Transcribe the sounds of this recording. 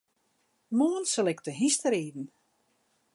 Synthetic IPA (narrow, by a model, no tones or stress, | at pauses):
moənsəlɪktəɦistəɾiːdn̩